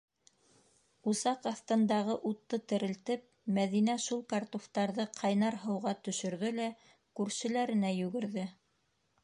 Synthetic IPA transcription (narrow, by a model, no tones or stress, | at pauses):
usɑqɑθt̪ɤ̆nd̪ɑʁɤʔut̪ːɤt̪ɘ̆ɾɘ̆lt̪ɘp̚mæðinæʃulˠkɑrt̪oft̪ɑɾðɤqʰɑjnɑɾɦɤ̆wʁɑt̪ɵ̆ʃɵ̆ɾðɵlæ | kʉɾsɘ̆læɾɘ̆næjʉɡɘ̆ɾðɘ